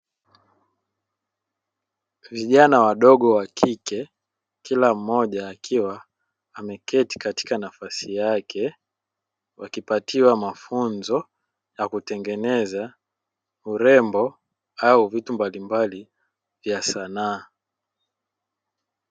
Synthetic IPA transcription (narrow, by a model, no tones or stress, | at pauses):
viʄanawaɗɔɠɔwakʰikɛ | kilam̩ːɔʄaːkʰiwaː | mɛkɛti̥kati̥kanafasijakʰɛ | wakipatiwamafunzɔ | jakutɛŋɡɛnɛza | uɾɛmbɔ | auvitumbalimbali | vjasanaː